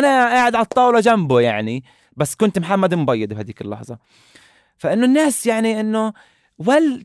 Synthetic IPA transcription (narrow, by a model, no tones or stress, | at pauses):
ʔanaʔaːʕɪd̪ʕalt̪ˤːɑːwlɑd͡ʒambʊjaʕni | basːkʊnt̪mħamːad̪mbɑjːɪd̪bhajd̪iːkɪlːɑ̰ħzˤɑ | faʔɪnːʊnːaːsjaʕniʔɪnːʊ | wal